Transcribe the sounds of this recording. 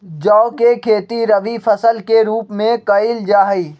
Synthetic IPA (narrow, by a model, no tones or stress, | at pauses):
d͡ʒɔːʊkekʰeːt̪iɾəʋipʰəsəlkeɾuːpmẽkɐɪld͡ʒaːɦiː